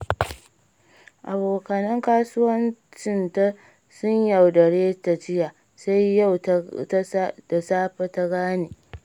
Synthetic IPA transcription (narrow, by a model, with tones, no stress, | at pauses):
ʔa˨boː˨kɐ˨nɐ˦ŋkaː˦sʊ˦wɐ˦nt͡ʃɪ˦˨nta˦ | sʊ˦ɲja˨wdɐ˨ɽeː˦ta˨t͡ʃɪ˦jaː˨ | sa˦jːa˦˨w | da˨saː˦ɸa˦ta˦ɡaː˦neː˨